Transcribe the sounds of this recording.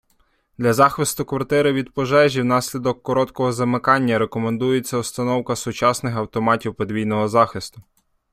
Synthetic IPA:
d̪lʲɐzɑxʋɪst̪ʊkʋɐrt̪ɪɾɪʋʲid̪pɔʒɛʒʲiwnɑsʲlʲid̪ɔkːɔɾɔt̪kɔɦɔzɐmɪkɑnʲːɐɾekɔmend̪ujet͡sʲːɐʊst̪ɐnɔwkɐsʊt͡ʃɑsnɪxɐwt̪ɔmɑtʲiwpɔd̪ʋʲijnɔɦɔzɑxɪst̪ʊ

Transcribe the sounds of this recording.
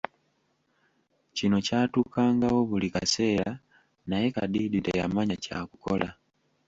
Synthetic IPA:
cino̞caːtukaːŋɡawo̞βulika̰se̞ːla | naje̞ka̰diditḛjamaɲaca̰kuko̞̰la

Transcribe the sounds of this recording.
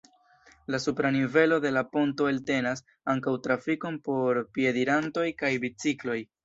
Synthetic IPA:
lasupɾanive̞lo̞de̞lapo̞nto̞elte̞nas | aŋkawtɾafiko̞npo̞ɾpie̞diɾanto̞jkajbit͡siklo̞j

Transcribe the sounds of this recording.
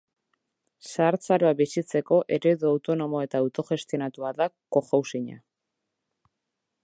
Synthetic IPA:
saːɾt͡saɾoabisit͡se̞ko̞ʔe̞ɾeðuawt̪o̞no̞mo̞e̞t̪aːwt̪o̞ʝe̞st̪io̞nat̪uaðako̞xawsiɲa̰

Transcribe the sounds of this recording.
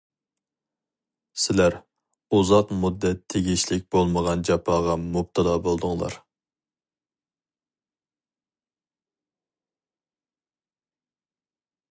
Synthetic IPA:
sɪlæɾ | uzɑqmud̪ːɛt̪ʰːeɡʲiʃlɪk̚ʲb̥olˠməʁɑnd͡ʒɑpʰɑːʁɑmup̚t̪ʰɨlˠɑːbolˠd̪ʊŋlˠɑ̰ɾ

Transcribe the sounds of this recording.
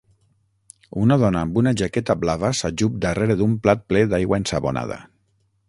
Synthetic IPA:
unaðɔnaːmbunaʒakɛt̪ablaβasaʒup̚d̪areɾeðumplat̪̚plɛðajɣwaensaβona̰ð̞a̰

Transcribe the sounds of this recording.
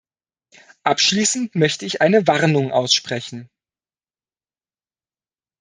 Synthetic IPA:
ʔapʃliːsn̩tmœçtəɪçʔaɪnəvaʁnʊŋʔaʊsʃpʁ̥ɛçn̩

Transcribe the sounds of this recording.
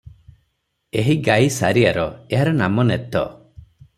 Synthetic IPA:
eɦiɡajsa̰ɾiaɾɔeɦaɾɔnamɔnet̪ɔ̰

